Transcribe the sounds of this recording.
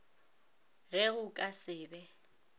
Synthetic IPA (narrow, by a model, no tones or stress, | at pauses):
ɣɛɣʊkʼasɪːbɛ